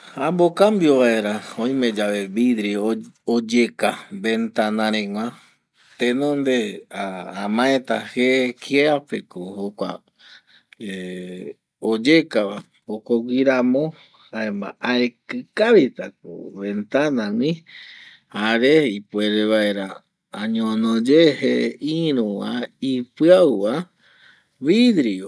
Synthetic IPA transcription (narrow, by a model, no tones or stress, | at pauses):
ambokambjo̞βae̞ɾaõĩmẽ̞d͡ʒaʋe̞βid̪ɾiood͡ʒekabe̞nt̪anãɾẽŋʷã | t̪enõnd̪e̞aamãet̪ahekieapekohokʷa̰ | e | od͡ʒekaβa | okoɡiɾamõ | haema̰ʔaekɨkaβit̪ak̚o̰βe̞nt̪anãwĩ | haɾeipeɾeβaeɾa | aɲõnõd͡ʒeheiɾũwaipɨaβa | βid̪ɾio